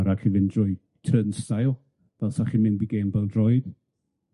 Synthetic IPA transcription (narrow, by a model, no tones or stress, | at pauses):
ɾakʰɪvɪndrʊɨ | tʰrənstajlˠ | vɛlˠsaχinmɪnbiɡeːnvɛlˠdrɔjd̥